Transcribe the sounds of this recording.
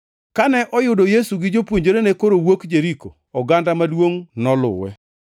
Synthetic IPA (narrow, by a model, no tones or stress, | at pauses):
kanɛʔɔjʊdɔjesuɡɪd͡ʒopwoɲd͡ʒoɾenekoɾowokd͡ʒeɾiko | ɔɡandamalwoŋnɔlʊ̰wɛ̰